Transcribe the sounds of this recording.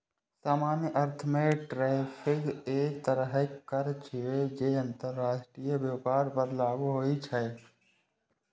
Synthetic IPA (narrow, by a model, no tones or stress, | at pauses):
saːmaːnjəʔəɾt̪ʰəmeʈɾɛːpʰɪɡeːkt̪əɾəɦekːəɾt͡ʃʰied͡ʒeə̃nt̪əɾːaːʃʈɾijəbjəpaːɾpəɾlaːɡuɦoːit͡ʃʰɛ